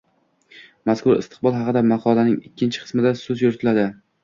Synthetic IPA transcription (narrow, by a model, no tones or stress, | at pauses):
maskʊɾɪ̰st̪ʰɪ̥q̚bɒlˠɦɑqɨd̪amɑqʰɒlanɪŋɪkʲʰːɪnt͡ʃʰɪ̥qʰɨ̥smɪd̪asɵzjoɾt̪ʰɪlad̪ɪ